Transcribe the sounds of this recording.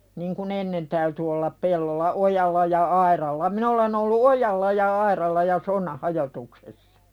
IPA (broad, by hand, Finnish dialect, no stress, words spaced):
niŋ kun enːen tæyty olːɑp pelːolːɑ ʔojɑlːɑ jɑ ɑirɑlːɑ min olen olːu ojɑlːɑ jɑ ɑirɑlːɑ jɑ sonːɑh hɑjotuksesːɑ̥